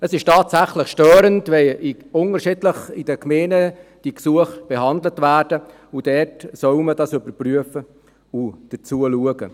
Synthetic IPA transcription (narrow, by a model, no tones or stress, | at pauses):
əsɪʃtɑːtsæχləχʃtøːɾəntʋɛi | ʊnəɾʃɪdləχid̥əkʰmeːnəd̥iksuəχb̥ɛɦɑndlətvæːrd̥ə | ud̥ɛtsœʊmədɑsʏbəɾpryəfə | ud̥ət͡suəluəɡ̥ə